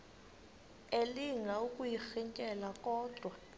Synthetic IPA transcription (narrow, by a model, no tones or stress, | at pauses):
eliŋɡʱaukʼujixiɲkʼɛlakʼɔːd̥ʱwa